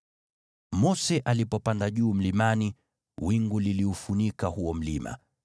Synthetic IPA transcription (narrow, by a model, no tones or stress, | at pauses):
mɔsɛʔalipɔpandaʄuːm̩limani | wiŋɡuliliufunikahuɔm̩lima̰